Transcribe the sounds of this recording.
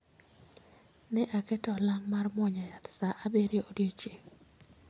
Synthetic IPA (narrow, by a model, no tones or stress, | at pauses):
nɛʔakɛtɔlaŋmarmɔɲajat̪saʔabeɾeodjot͡ʃeŋ